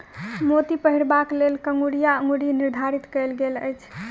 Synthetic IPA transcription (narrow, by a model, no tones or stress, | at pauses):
mot̪ipəɦiɾbaklelkəŋɡuɽijaə̃ŋɡɽiniɾd̪ʱaɾit̪kəjlɡelə̰jt͡ʃʰ